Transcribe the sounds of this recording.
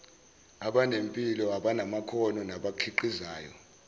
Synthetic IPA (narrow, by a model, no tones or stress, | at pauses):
aɓanempʼilɔaɓanamakʰɔnɔnaɓakʰiǃizaːjɔ̰